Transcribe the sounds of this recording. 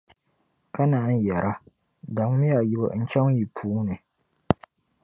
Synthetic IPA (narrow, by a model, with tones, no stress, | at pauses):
ka˦naː˨˦n˦jɛ˨ɾʔa˦ | da˨ŋ˦mi˦ja˨ji˦bɔ̰˨n̩˦t͡ʃɛ˦ŋ˦ji˨pʰuː˦nɨ˨